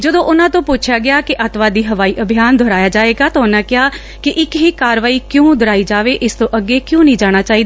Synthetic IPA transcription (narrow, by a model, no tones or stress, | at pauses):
d͡ʒəd̪õːʔʊnãːt̪õːpʊt͡ʃʰjaːɡɪaːkɪʔət̪ʋaːd̪iːɦəʋaːiːʔəbʱijaːnd̪ʱoːɾaːjaːd͡ʒaːʋeːɡaːt̪ãːʊnãːkɪaː | kɪʔɪkɦiːkaːɾʋaːiːkjõːd̪əɾaːiːd͡ʒaːʋeːʔɪst̪õːʔəɡːeːkjõːnəĩːd͡ʒaːɽ̃aːt͡ʃaːiːd̪aː